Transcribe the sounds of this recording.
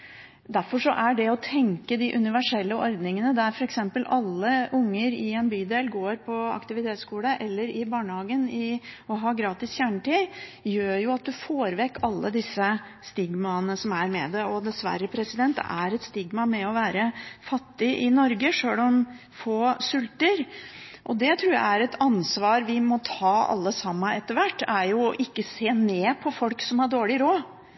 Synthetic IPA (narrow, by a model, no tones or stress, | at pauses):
d̪æɾfɔʂɔ̰ʔæɖɛɔt̪ʰɛŋkəd̪ɪʔʉnɪʋæʂɛlːəʔɔɾd̪nɪŋənəd̪æɾfɔɾɛksɛmpəlɑlːəʔʊŋːəɾɪɛnbyːd̪eːlɡoːɾpʰɔɑ̰kt̪ɪʋɪt̪ʰeːt̪skuːləʔɛlːəɾɪbɑːɳəhɑːɡənɪɔɦɑːɡɾɑːt̪ɪsçjæːɳəʈiːjøːɾjʊɑt̪̚d̪ʉfoːɾʋɛkːɑlːəd̪ɪsːə | st̪ɪɡmɑənəsɔmæɾmɛ̰d̪ɛɔd̪ɛsʋæ̰ɾəpʰɾɛsɪd̪ɛnt̪æɾɛt̪st̪ɪɡmɑmɛɔʋæːɾəfɑt̪ːɪʔɪnɔɾɡəʂøːlɔm | foːsʉlt̪əɾ | ʔɔd̪ɛt̪ʰɾuːɾjæ̰ɪæɾɛt̪ʰɑnsʋɑːɾʋɪmɔt̪ʰɑːɑ̰lːəsɑmːəɛt̪ːəɾʋæʈːæɾjʊʔɪkːəseːneːpʰɔfɔlksɔmhɑɖoːɭɪɾoː